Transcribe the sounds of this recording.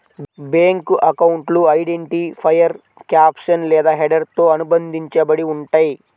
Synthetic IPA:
beːŋkʔɐkɐwuɳʈluɐjɖeɳʈipʰɐjɐɾ | kjaːpʂɐnlɛːd̪aːɦeɖɐɾt̪oːɐnubɐnd̪ʱiɲt͡ʃɐbɐɽiuɳʈɐːji

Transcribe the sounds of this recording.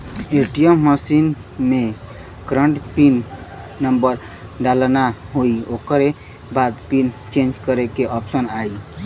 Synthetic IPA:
eʈijəmːəsin | me | kɾəɳʈpinː | əmbəɾ | ɖalnaɦoiokəɾe | bad̪pint͡ʃẽnd͡ʒkəɾekeʔɔpsənai

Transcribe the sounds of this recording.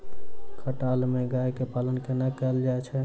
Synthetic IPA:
kʰəʈalmeɡajkepalənkenakɛld͡ʒaet͡ʃʰɛ

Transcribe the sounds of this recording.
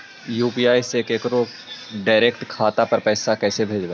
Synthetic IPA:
juːpiːaːiseːkeːkɾoː | ɖaːɾeːkʈkʰaːt̪apɐɾpɛːsakɛːsebʱeːd͡ʒbɛː

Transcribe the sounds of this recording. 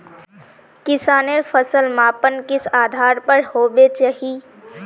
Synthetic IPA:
kɪsaːneɾpʰəsəlmãːpənkɪsaːd̪ʱaːɾpəɾhoːbet͡ʃəɦi

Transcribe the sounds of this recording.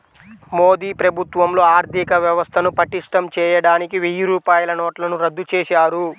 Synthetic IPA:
mo̞ːd̪iːpɾɐbʱut̪ʋɐmlo̞ːaːɾd̪ʱikɐʋjɐʋɐst̪ʰɐnupɐʈiʂʈɐmt͡ʃɛːjɐɽaːnikiʋijuɾuːpaːjɐlɐnoːʈlɐnuɾɐd̪ːut͡ʃɛːʃaːɾu

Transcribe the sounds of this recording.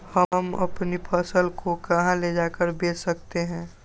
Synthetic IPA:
həmɐ̰pnipʰəsəlkokɐɦãled͡ʒaːkəɾbeːt͡ʃsəkt̪eɦɛ̃ː

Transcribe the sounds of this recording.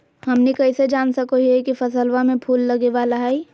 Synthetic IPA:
hɐmnikɐised͡ʒaːnsɐkoɦiɛkifɐsəlʋamẽpʰuːlːɐɡeʋaːlaɦɛi

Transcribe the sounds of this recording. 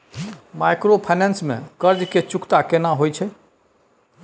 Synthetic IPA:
maɪkɾopʰaɪnɛ̃nsmḛ̃kəɾd͡ʒket͡ʃʊkt̪akenãɦoːjt͡ʃʰe

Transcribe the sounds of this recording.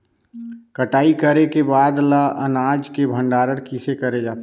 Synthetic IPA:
kəʈaːikəɾekebaːd̪laʔə̰naːd͡ʒkebʱə̃ɳɖaːɾəɽkisekəɾed͡ʒaːt̪

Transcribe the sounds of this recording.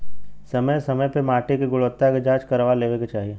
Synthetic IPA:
sɐməjsɐməjpemaːʈekeɡʊɭʋət̪ːaked͡ʒaːt͡ʃkɐɾʋaleːʋeket͡ʃaːɦie

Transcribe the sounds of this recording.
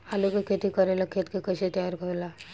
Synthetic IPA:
alukekʰet̪ikəɾelakʰet̪kekəɕet̪əjaɾkəɾla

